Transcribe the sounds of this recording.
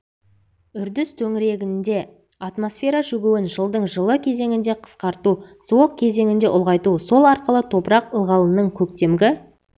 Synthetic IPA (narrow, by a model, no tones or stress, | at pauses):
ʏɾd̪ɪst̪ʰɵŋɪɾe̞ɡʲɪnd̪e̞ | at̪mosfʲe̞ɾɑʒʏɡʲewɪnʒəlˠd̪əɴʒəlˠəkʲʰe̞ze̞ŋɪnd̪e̞qʰə̥sqɑɾt̪usuwəq̚kʲʰe̞ze̞ŋɪnd̪e̞ʔʊlˠʁɑjt̪uso̞lˠɑɾqəlˠət̪ʰo̞pɾɑqəlˠʁɑlˠənːəɴkʲʰɵk̚t̪e̞mɡʲɪ